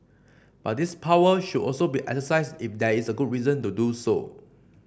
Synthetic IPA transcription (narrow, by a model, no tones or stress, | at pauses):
b̥at̚dispʰawəʃudʔɔlsobiʔɛ̰ksəsaɪsdifdɛisəɡud̚ɹizə̃ntuduso̰